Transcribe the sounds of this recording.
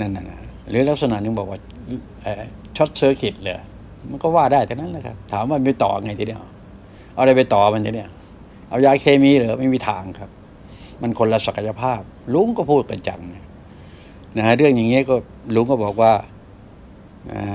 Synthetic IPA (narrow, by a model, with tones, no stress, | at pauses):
na˧˩na˧˩na˧˩ɾɯː˨˦la˦˥k̚sa˧na˨˩nɯ˧ŋbɔː˨˩k̚waː˧˩ | ʔaː˧˩t͡ɕʰo˦˥t̪̚sɤː˧kʰi˨˩t̪̚lɤː˧˩ | ma˧˨nkɔː˥˩waː˧˩daː˥˩jt̪ʰa˧na˧˥˨nla˧kʰa̰˦˧p̚t̪ʰaː˨˦mwaː˧˩ma˧t̪ɔ̰ː˨˩ʔa˧ŋa˧jt̪ʰiː˧˦i˧˩ə˨w | ʔa˧wda˧˩jpa˧jt̪ɔː˨˩˧ma˧nʰiː˧ni˧˩ə˨w | ʔa˧˩wjaː˧˩kʰeː˧miː˧˨lɤː˨˦ma˥˩˨miː˧˩t̪ʰaː˨˦ŋkʰa˦˥p̚ | ma˧˩˨nkʰo˧nla˧sa˨˧˩kʰa˧ja˧pʰaː˥˩p̚lu˦˥ŋkɔː˧˥˩pʰuː˥˩t̪̚ka˧nt͡ɕa̰˨˩ŋna˧˩ | na˧˩˧ɾɯ˥˩əŋja˨˩ŋːiː˦˥˨kɔː˧˩ | lu˧˦ŋkɔː˥˩bɔː˨˩k̚waː˧˩ | ʔa̰ː˨˧˩